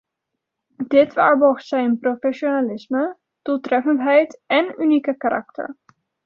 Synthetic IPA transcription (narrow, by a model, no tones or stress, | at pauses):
d̥ɪtʋa̰ːɹbɔɹχtsɛjnprofɛʃonalɪsmə | d̥ulˠtrɛfəntɦɛjtɛnynikəkaɾʔɑ̰ktə̰ɹ